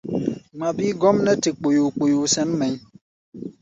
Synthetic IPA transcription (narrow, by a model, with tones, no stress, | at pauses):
ŋ͡ma˨biː˦ɡɔ˦mnɛ˦te˨k͡po˨ju˨k͡po˨ju˨sɛ˦mmɛ˨˦ɲ